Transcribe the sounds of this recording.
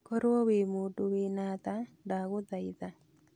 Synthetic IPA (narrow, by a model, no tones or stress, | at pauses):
kɔɾwɔwemudowenat̪adaɣʊðaiða